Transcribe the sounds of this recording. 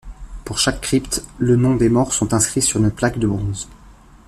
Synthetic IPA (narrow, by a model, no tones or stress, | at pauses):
puʁʃakːχipt̪lənɔ̃d̪emɔʁsɔ̃t̪ɛ̃skχisyʁynəplakd̪əbʁɔ̃z